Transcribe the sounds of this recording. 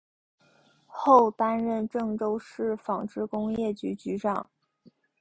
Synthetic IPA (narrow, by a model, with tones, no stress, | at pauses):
xo˥˩ʊt̪a˥nɻə˥˧nʈ͡ʂɤ˥˩ŋʈ͡ʂo˥ʊʂɻ̩˥˩fɑ˨˩ŋʈ͡ʂɻ̩˥˩kʊ˥ŋjɛ˥˩t͡ɕy˧˥t͡ɕy˧˥ʈ͡ʂɑ˨˩˦ŋ